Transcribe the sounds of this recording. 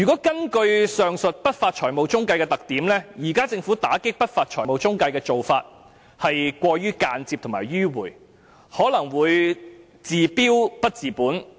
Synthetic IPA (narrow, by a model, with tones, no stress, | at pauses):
jyː˨˩kɔː˨˥kɐ˥nkɵ˧ɥsœː˨ŋsɵ˨t̚pɐ˥t̚faː˧t̚t͡ʃʰɔː˨˩jmo˨wt͡sʊ˥ŋkɐ˧jkɛː˧t̪ɐ˨k̚t̪iː˨˥mlɛː˥jiː˨˩kaː˥t͡sɪ˧ŋfuː˨˥t̪aː˨˥kɪ˥k̚pɐ˥t̚faː˧t̚t͡ʃʰɔː˨˩mo˨wt͡sʊ˥ŋkɐ˧jkɛː˧t͡so˨wfaː˧t̚ | hɐ˨jkʷɔː˧ɥyː˥kaː˧nt͡siː˧p̚t̪ʰʊ˨˩maː˨˩jɥyː˥wuː˨˩j | hɔː˨˥lɐ˨˩ŋwuː˨˧j | t͡siː˨piː˥wpɐ˥t̚t͡siː˨˩puː˨˥n